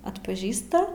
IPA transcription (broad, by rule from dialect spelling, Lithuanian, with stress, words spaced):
ɐtpɐˈʒʲiːstɐ